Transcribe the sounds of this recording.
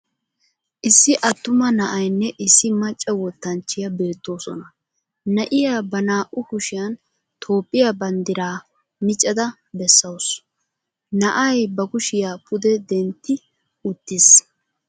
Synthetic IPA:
ʔɪsːɪʔɐt̪ːʊmɐnɐʔɐjnːɛʔɪsːɪmɐt͡ʃʼːɛwɔt̪ːɐnt͡ʃːɪjɐbeːt̪ːo̞ːsɔ̰nɐ | nɐʔɪjaːbɐnaːʔʊkʊʃɪjɐn | t̪ʰo̞ːpʼːɪjabɐnd̪ɪɾaː | mɪt͡ʃʼɛd̪ɐ | bɛsːɐws | nɐʔɐjbɐkʊʃɪjaːpʰʊd̪ɛd̪ɛnt̪ːɪ | ʊt̪ːɪs

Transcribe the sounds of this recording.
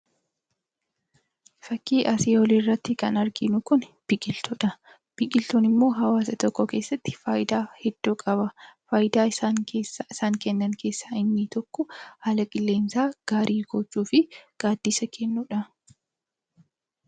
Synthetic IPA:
fɐkːiːʔɐseːwɔliːrːɐt̪ːɪkɐnɐɾɡɪnʊkʊnb̥ɪkʼɪlt̪ʊᶑɐ | b̥ɪkʼɪlt̪uːnɪmːo̞ːɦɐwaːsɐt̪ɔkːɔke̞ːsːɐt̪ːɪ̥faːjɪd̪aːhɛd̪̥ːuːkʼɐbɐfaːjɪd̪aːɪsaːŋkeːsːaɪsaːŋkɛnːɐŋkʰe̞ːsːaːɪnːɪt̪ɔkːɔhɐlɐkʼɪlːe̞ːnsaːɡ̥aːɾʔiːɡoːt͡ʃːuːfɪɡ̥aːd̪ːiːsɐkʰɛnːuᶑɐ

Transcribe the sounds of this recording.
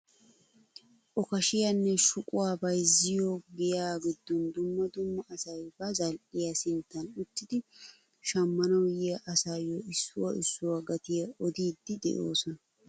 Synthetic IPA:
ʔɔkɐʃɪjɐnːɛʃʊkʼʊwaːbɐjzɪjoɡɪjaːɡɪd̪ːɔnd̪ʊmːɐd̪ʊmːɐʔːsɐjbɐzɐlʔɪjɐsɪnt̪ːɐnʊt̪ːɪd̪ɪ | ʃɐmːɐnɐwjɪjɐʔɐsaːjoɪsːʊwɐʔɪsːʊwɐɡɐt̪ɪjɐɔd̪iːd̪ːɪd̪ɛ̰ʔo̰ːsɔnɐ

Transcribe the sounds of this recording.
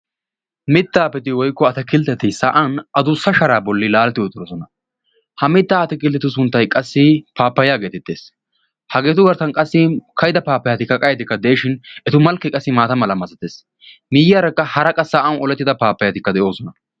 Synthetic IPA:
mɪt̪ːaːpɛt̪ɪwɔjkːɔɐt̪ɐkɪlt̪ːɛt̪ːɪsaːʔɐnʔɐd̪ʊsːɐʃɐɾaːbɔlːɪlaːlɛt̪ːɪjɔt̪ʼɪɾɔsɔnɐ | hɐmɪt̪ːaːt̪ɛkɪlt̪ːɛt̪ːʊs̬ʊnt̪ːɐjkʼɐsːɪpaːpːɐjaːɡe̞ːt̪ɪt̪ːḛːs | hɐɡe̞ːt̪ʊɡɐɾt̪ɐnkʼɐsːɪkʰɐjɪd̪ɐpaːpːɐjɐt̪ɪkːɐkʼɐjɐt̪ɪkːɐd̪eːʃɪnɛt̪ʊmɐlkːɛkʼɐsːɪmaːt̪ɐmɐlɐmɐzɐt̪eːs | mɪjaːɾɐkːɐhɐɾɐkʼɐsaːʔɐwɔlɛt̪ːɪd̪ɐpaːpːɐjɐt̪ɪkːɐd̪ɛʔo̞ːsɔnɐ

